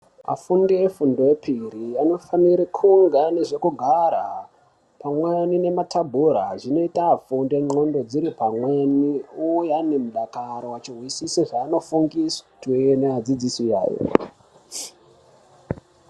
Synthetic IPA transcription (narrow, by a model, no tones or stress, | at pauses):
a̰fundeefundoepʰiɾijano̞faniɾekʰuŋɡaneʐe̞kuɡʱaɾa̰ | pamwanine̞matʰabʱuɾaʐino̞itafundeŋ͡ǃo̞ndo̞d͡ziɾipamweniujanemuɗakaɾowat͡ʃirwisiseʐaːno̞fuŋɡistwenead͡zid͡zisija̰ːjo̰